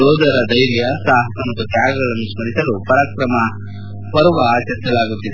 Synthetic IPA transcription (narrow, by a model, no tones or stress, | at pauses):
ɔːd̪ɐɾɐd̪ɐjɾjɐsaːɦɐt̪ɐnɐk̪ɐk̪jaːɡɐɡɐɭɐnːusmɐɾisɐlupɐɾakɾɐmɐ | pɐɾuʋɐaːt͡ʃɐɾisɐlaːɡut̪ːid̪e